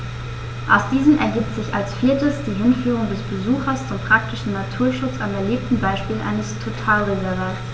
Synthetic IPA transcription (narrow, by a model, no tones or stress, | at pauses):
ʔa̰ʊsd̥iːzəmʔɛ̰ɐɡiːp̚tz̥ɪçalsfiːɐtəsd̥iːɦɪnfyːʁ̞ʊŋdɛsb̥əzuːxɐst͡sʊmpʁ̥ak̚tɪʃn̩natʰuːɐʃʊt͡samɛɐleːp̚tn̩baɪʃpiːlʔa̰ɪnəstʰotʰaːlʁezɛʁaːt